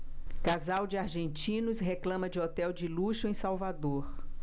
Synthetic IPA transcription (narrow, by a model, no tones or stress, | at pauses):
kazawd͡ʒɪaɾʒẽnt͡ʃĩnʊsɦeklɐ̃mɐd͡ʒɪɔt̪ɛwd͡ʒɪluʃʊẽj̃sawvad̪oɾ